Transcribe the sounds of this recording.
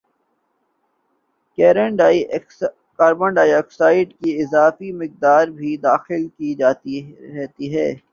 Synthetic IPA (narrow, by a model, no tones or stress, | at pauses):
kɛːɾə̃ɳɖaːi | kaːɾbə̃ɳɖaːieksaːɪʈkiɪzaːfimɪk̚d̪aːɾbʱid̪aːxɪlkid͡ʒaːt̪iɾɛːt̪iɦɛː